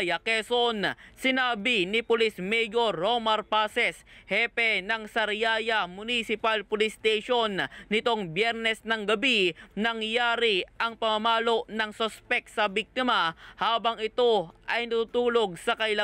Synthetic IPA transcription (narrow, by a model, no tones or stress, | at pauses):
jɐkɛsonsɪnaːbɪnɪpʊlismɛjoɾːomɐɾpaːsɛshɛpɛnɐŋsɐɾjaːjɐmʊnisɪpalpʊlɪst̪ejʃo̞nːɪt̪o̞ŋbjɛɾnɛsnɐŋɡɐbinɐŋjaːɾɪʔɐŋpɐmɐmaːlo̞ʔnɐŋsospɛk̚t̪sɐbik̚t̪ɪmɐhaːbɐŋɪt̪o̞ʔɐjnɐt̪uːt̪uːlo̞ɡ̚sɐkɐɪlɐ